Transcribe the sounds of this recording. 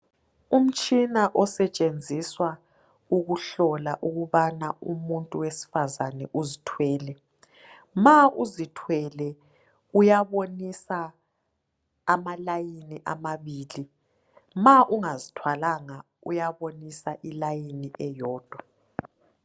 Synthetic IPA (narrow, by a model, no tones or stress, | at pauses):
um̩t͡ʃʼinaʔɔsɛt͡ʃʼend͡zʱiswa | uɣuɬɔlaʔuɣuβanaṵmuntʼuwesi̥fazanɛʔuzitʰwɛːlɛ | maʔuzitʰwɛlɛ | ujaβonisa | malajiniʔamaβiːli | maʔuŋazitʰwalaŋa | ṵjaβonisaʔilajiniʔɛjɔːd̥ʱwa